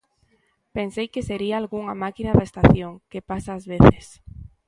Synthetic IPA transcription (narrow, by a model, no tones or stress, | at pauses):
pensejkeseɾiaːlɣuŋamakinaðaest̪aθjoŋkepasaːzβeθɪs